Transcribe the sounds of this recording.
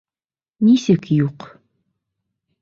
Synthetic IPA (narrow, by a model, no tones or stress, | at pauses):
nisəkjuq